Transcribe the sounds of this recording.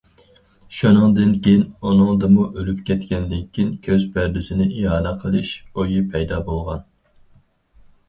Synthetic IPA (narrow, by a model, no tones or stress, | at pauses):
ʃunɨŋd̪ɪnkʲejinunɨŋd̪ɨmuʔølypkʲʰɛt̪kʲɛnd̪ɪkʲʰːinkʲʰøzbʰæɾd̪ɪsɪnɪʔiɦɑːnɛqʰəlˠɨʃojipʰɛjd̪ɑːbolˠʁɑn